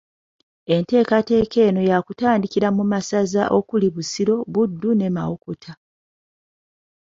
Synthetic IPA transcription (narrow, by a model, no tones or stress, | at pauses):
e̞nte̞ːkate̞ːke̞ːno̞jakutaːndiciɾamumasazaʔo̞kuliβusiɾo̞βudːune̞ma̰wo̞ko̞tʰa